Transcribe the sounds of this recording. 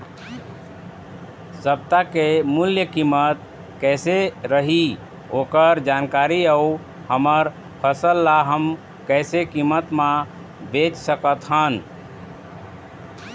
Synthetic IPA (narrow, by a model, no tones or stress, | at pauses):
səbt̪akemuljəkimət̪ | kɛɪseɾəɦi | okəɾd͡ʒankaɾiəu | həməɾ | pʰəsəlːaɦəm | kɛɪsekimət̪mã | bet͡ʃsəkət̪ɦən